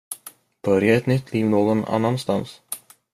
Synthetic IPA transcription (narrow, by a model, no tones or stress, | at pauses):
b̥œɾjaɛt̪nʏt̪ʰːliːvnoːɡɔna̰nːanst̪ans